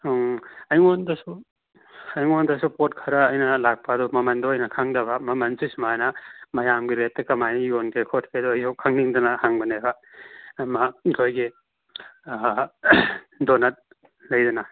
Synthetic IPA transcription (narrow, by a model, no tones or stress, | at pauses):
ɐjŋondɐsu | ɐjŋondɐsupot̚kʰɐɾɐːjnɐlak̚pɐːdumɐmɐndoɐjnɐkʰaŋdɐbɐmɐmɐnsismanɐmɐjamɡiɾet̚ːɐkɐmajjonkekʰot̚kʰedɔɐjsʰokʰaŋniŋdɐnɐhaŋbɐnebɐ | makʰojɡi | donɐt̚ | lɐjdɐnɐ